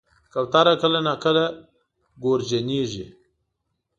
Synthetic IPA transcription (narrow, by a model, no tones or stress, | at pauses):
kawt̪aɾakəlanakəla | ɡoɾd͡ʒaniʒi